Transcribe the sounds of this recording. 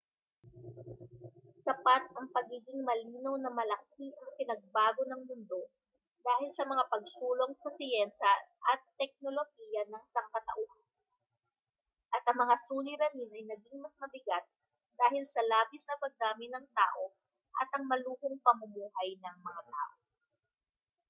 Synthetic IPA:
sɐpat̪̚ɐŋpɐɡiːɡɪŋmɐliːnɐwnɐmɐlɐkiʔɐŋpɪnɐɡ̚baːɡo̞nɐŋmʊnd̪o̞ | d̪aːhɪlsɐmɐŋapɐɡ̚suːlo̞ŋsɐsɪjɛnʃɐʔɐt̪ːɛk̚no̞lo̞hijɐnɐŋsɐŋkɐt̪ɐ̰ʔo | ʔɐt̪ʔɐŋmɐŋasuːlɪɾɐninɐjnɐɡɪŋmɐsmɐbɪɡat̪̚ | d̪aːhɪlsɐlaːbɪsnɐpɐɡ̚d̪aːmɪnɐŋt̪a̰ːʔo̞ | ʔɐt̪ʔɐŋmɐluːhoŋpɐmʊmuːɦɐjnɐŋmɐŋat̪a̰ːʔo

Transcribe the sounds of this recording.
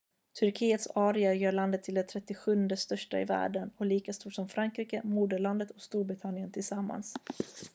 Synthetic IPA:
t̪ʰɵɾkʰiːət̪sɑːɾɪajœːɾɭand̪ət̪ʰːɪld̪ɛt̪ʰɾɛt̪ːɪɧɵnd̪əst̪œʂʈaɪ̰væ̰ːɖənɔliːkast̪uːʈʂɔmfɾaŋkɾiːkəmuːd̪əɭand̪ət̪ʰɔkst̪uːɾbɾɪt̪ʰanːɪənt̪ʰɪlsamːa̰ns

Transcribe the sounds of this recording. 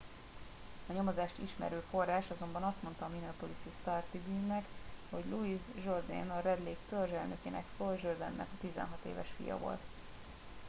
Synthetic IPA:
ɒɲomozaːʃt̪ḭʃmɛ̰ɾyːfo̞rːaːʃɒzo̞mbɒnɒst̪mo̞n̪t̪ɒːminopolisist̪art̪ibyːnːɛkho̞ɟluizʒo̞rd̪ɛ̰ːnɒɾɛd̪leːkt̪ørʒɛlnø̞keːnʔɛkfølʒørd̪ɛnːɛ̰kɒt̪izɛ̰nɦɒt̪ḛːvɛ̰ʃfḭjɒ̰vo̞̰lt̪

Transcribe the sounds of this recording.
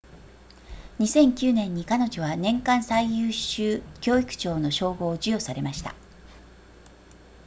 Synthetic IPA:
ɲ̟isẽ̞ŋkʲɨːnẽ̞ɲ̟ːikano̞ʑo̞βanẽ̞ŋkãɰ̃saijɯːɕɕɨːkʲo̞ːikɯ̟̥t͡ɕo̞ːno̞ɕo̞ːɡo̞ːd͡ʑɨjo̞saɾe̞maɕi̥t̪a̰

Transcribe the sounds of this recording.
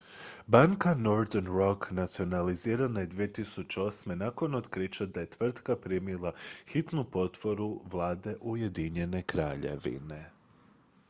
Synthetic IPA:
baŋkano̞ɾd̪enɾo̞knat̪sio̞naliziːɾanajed̪ʋijet̪isut͡ɕeo̞sme̞nako̞nod̪kɾiːt͡ʃad̪aje̞t̪ʋr̩t̪kapɾimilˠaxit̪nupo̞t̪ʋo̞ɾuʋlˠaːd̪e̞ʔuje̞d̪iɲe̞ne̞kɾa̰ːʎe̞̰ʋḭne̞

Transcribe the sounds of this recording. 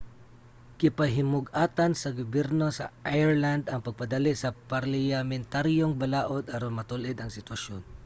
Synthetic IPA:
kɪpɐɦɪmʊɡaːt̪ansɐɡʊbɛɾno̞sɐ̰ʔajɛɹland̪ɐŋpɐɡ̚pɐd̪alɪʔsɐpaɾlɪamɛnt̪aɾjoŋbɐlaːʔod̪ʔaɾonmɐt̪ʊlʔɪd̪ɐŋsɪt̪wɐʃon

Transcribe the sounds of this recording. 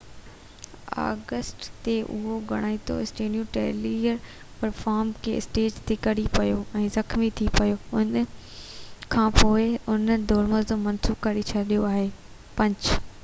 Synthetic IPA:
a̰ːɡəsʈt̪eʔʊ̰ɦoɡɐɽ̃aːĩt̪ʰo̰ɪsʈeːɖijuʈeːliəɾ | pɐɾfaːɾmkʰḛːɪ̰sʈeːd͡ʑt̪ʰekɐɽipɐjoɛ̃ːzɐkmit̪ʰipɐjoʊn | kʰãːpoːɪʊnd̪ʱɔːɾməzd͡ʑoːmɐnsuːkɐɾit͡ɕʰɐɗijoaːɦeː | pɐ̃ɲd͡ʑ

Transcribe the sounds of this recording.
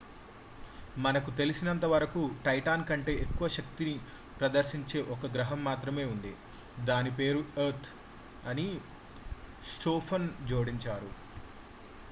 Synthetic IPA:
mɐnɐkut̪e̞lisinɐnt̪ɐʋɐɾɐkuʈɐjʈaːnkɐɳʈe̞ːʔekːuʋɐʃɐkt̪ini | pɾɐd̪ɐɾʃiɲt͡ʃe̞ːʔɔkɐɡɾɐɦɐmːaːt̪ɾɐme̞ːund̪i | d̪aːnipe̞ːɾueɾt̪ʰ | ɐni | sʈoːpʰɐnd͡ʒoːɽiɲt͡ʃaːɾu

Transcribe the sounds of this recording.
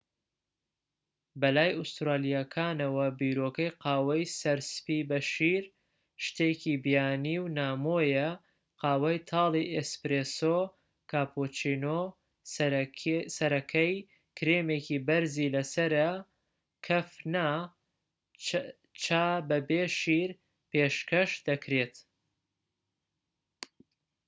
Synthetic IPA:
bɐlaːjust̪ɾaːlijakʰaːnɐwɐbiɾokɐjqaːwɐjsɐɾspibɐʃiɾ | ʃt̪ecibijaːniːwnaːmojɐ | qɑːwɐjt̪ʰɑːlˠiʔespɾeso | kaːpot͡ʃino | sɐɾɐkʰɐj | kʰɾemeːkʰibɐɾziːlɐsɐɾɐ | kʰɐfna | t͡ʃʰaːbɐbeːʃiɾ | peʃkɐʃd̪ɐkʰɾet̪

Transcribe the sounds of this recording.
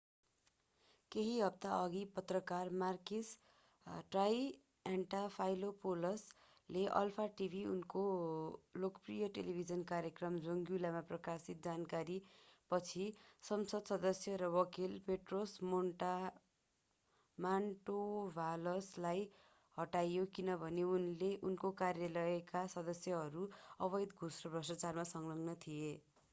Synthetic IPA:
keɦiɦʌp̚t̪aʌɡipʌt̪rʌkarmarkis | ʈraj | aɳʈapʰajlopolʌs | leʔʌ̰lpʰaʈibʱiunko | lokprijʌʈelibʱid͡zʌnkaɾjekrʌmd͡zoŋɡjulamaprʌkasit̪̚d͡zankaɾipʌt͡sʰisʌmsʌd̪sʌd̪ʌsjʌɾʌwʌkilpeʈrosmoɳʈa | maɳʈobʱalʌslaj | hʌʈajokinʌbʱʌneunleʔunkokarjalʌjkasʌd̪ʌsjʌɦʌɾuʌβʌjd̪ɡʱusrʌbʱrʌsʌt͡sarmasʌŋlʌŋnʌt̪ʰije

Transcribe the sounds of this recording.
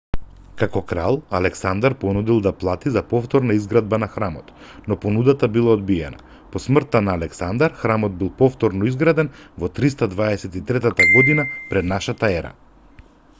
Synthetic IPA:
kakɔkɾa̰lˠalɛksand̪aɾpɔnud̪ilˠd̪aplˠat̪izapɔft̪ɔɾnaizɡɾad̪̚banaxɾamɔt̪ | nɔpɔnud̪at̪abilˠaɔd̪biɛna̰ | pɔsmr̩t̪ːanaːlɛksand̪aɾxɾamɔd̪̚bilˠpɔft̪ɔɾnɔizɡɾad̪ɛnvɔt̪ɾist̪ad̪vaɛsɛt̪it̪ɾɛt̪at̪aɡɔd̪inapɾɛd̪naʃat̪aɛɾa̰

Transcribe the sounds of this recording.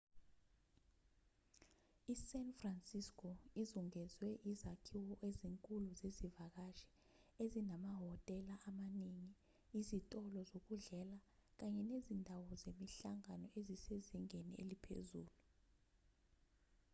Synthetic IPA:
isɛnfransiskʰʼɔizuŋɛzwɛʔizakʰiwɔʔeziŋkʼuluzezivak̬aʃɛ̥ | ezinamaɦɔtʼɛlaʔamaniŋi | izitʼɔlɔzok̬uɮɛlak̬aɲɛnezindʱawɔzemiɬaŋanɔʔeziseziŋeniḛlipʰḛzuːlu

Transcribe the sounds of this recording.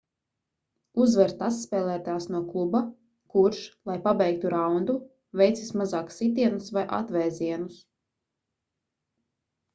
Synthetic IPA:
uzvɛɾt̪asːpɛːlˠæːt̪aːsnuɔklˠuba | kuɾʃlˠajpabʲɛjk̚t̪uɾawnd̪u | vɛjt̪sismazaːksit̪̬iɛnusvajʔa̰t̪vɛːziɛnus

